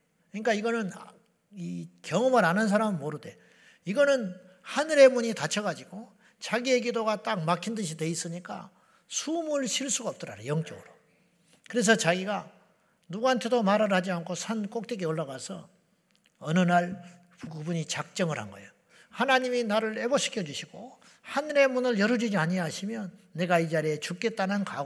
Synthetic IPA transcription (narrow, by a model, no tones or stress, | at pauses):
ɯɲik͈aiɡʌnɯn | ikjʌŋʌmɯɾanɯns̬ʰaɾamɯnmoɾɯde̞ | iɡʌnɯn | hanɯɾe̞muɲitat͡ɕʰʌɡad͡ʑiɡ̥o | t͡ɕaɡie̞k̬idoɡat͈ak̚makʰindɯɕʰide̞is͈ɯɲik͈a̰ | sʰumuɭɕʰiɭs͈uɡaʌp̚t͈ʌɾa̰ɾajʌŋt͡ɕ͈ʌɡɯɾo | kɯɾe̞s̬ʰʌt͡ɕaɡiɡa | nuɡaantʰe̞domaɾɯɾhad͡ʑiankʰosʰank͈ok̚t͈ekeoɭːaɣasʰʌ̰ | ʌnɯnaɭ | puɡubuɲit͡ɕak̚t͡ɕ͈ʌŋɯɾha̰nɡʌ̰ejo | hanaɲiminaɾɯɭeboɕʰi̥kʰjʌd͡ʑuɕʰiɡ̥o | hanɾe̞munɯɭjʌɾɯd͡ʑid͡ʑiaɲiɦaɕʰimjʌnːe̞ɡaid͡ʑaɾiet͡ɕuk͈e̞t͈̚anɯnkaɡ